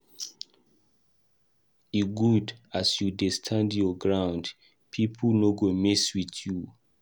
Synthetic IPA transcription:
iɡudasjudestʰãndjɔɡɹãʊ̃nd | pʰipʰnoɡomiswitju

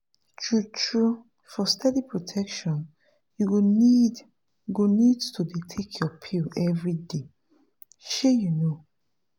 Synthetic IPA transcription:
tʰɹutʰɹu | fɔstʰɛdipʰɹotʰɛkʃɔ̃n | juɡnid | ɡonidtʰudetʰekʰjɔpʰilɛvɹide | ʃɛjuno

